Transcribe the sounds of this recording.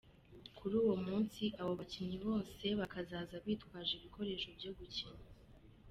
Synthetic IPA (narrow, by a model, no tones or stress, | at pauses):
kʰuɾuːwomuːnsiʔaβo̞βaciɲiβo̞ːse̞βakazaːzaβiːtkwaːʒiβiko̞ɾe̞ːʃo̞bjo̞ɡuciɲi